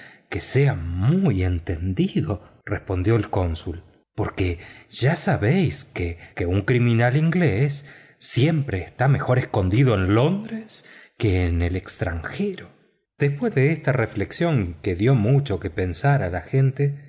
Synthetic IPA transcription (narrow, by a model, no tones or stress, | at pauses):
keseamuje̞nt̪e̞nd̪iðo̞ | respo̞nd̪jo̞elko̞nsul | po̞ɾkeʒ̥asaβejskekeuŋkɾimĩnaliŋɡlesː | je̞mpɾeːst̪ame̞xo̞ɾesko̞nd̪iðo̞e̞nlo̞nd̪ɾeskeːnelekst̪ɾa̰ŋxeɾo̞ | d̪̥espwe̞zðeest̪arefleksjo̞ŋkeðjo̞mut͡ʃo̞ke̞pe̞nsaɾalaxe̞nt̪e